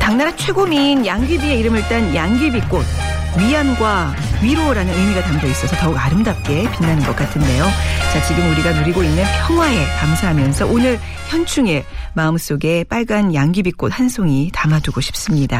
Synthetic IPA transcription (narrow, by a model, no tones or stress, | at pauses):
taŋnaɾat͡ɕʰwe̞ɡominjaŋɡibie̞iɾɯmɯɭt͈anjaŋɡibik͈od̚ | ɥijanɡwa | ɥiɾoɾanɯnɯjmiɡataŋɡois͈ʌsʰʌtʌuɡaɾɯmdap̚k͈e̞pinːanɯnɡʌk͈atʰɯnde̞jot͡ɕat͡ɕiɡɯnuɾiɡanoɾiɡoinːɯnpʰjʌŋɦwae̞kamsʰaɦamjʌnsʰʌʔonɯɾ | çjʌnt͡ɕʰuŋe̞ | maɯms͈oɡe̞p͈aɭɡanjaŋɡibik͈ot̚hansʰoŋitamaduɡoɕʰi̥p̚s͈ɯmɲida